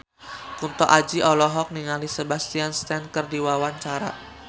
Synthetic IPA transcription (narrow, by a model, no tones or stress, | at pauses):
kunt̪ɔʔad͡ʒiʔɔlɔɦɔk̚niŋalisebast̪ianst̪ɛnkɨrdiwawaɲt͡ʃaɾa̰